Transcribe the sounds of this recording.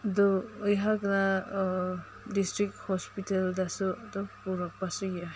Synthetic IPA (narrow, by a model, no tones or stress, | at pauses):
dɔːjɦakna | distɾik̚thɔspitaldasuadɔpuɾɔpːasuja